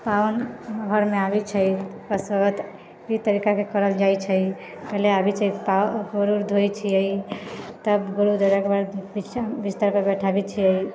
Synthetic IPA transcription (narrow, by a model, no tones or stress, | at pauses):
pawnɡʱəɾmeabit͡ʃʰəikəsət̪ | it̪əɾikakekəɾəld͡ʒajt͡ʃʰəj | kəɦleabit͡ʃʰəipaɡəɾuɾd̪ʱojt͡ʃʰijəjt̪əbɡəɾud̪ʱoɾekbaɾbibist̪aɾpəbɛʈʰabit͡ʃʰiəj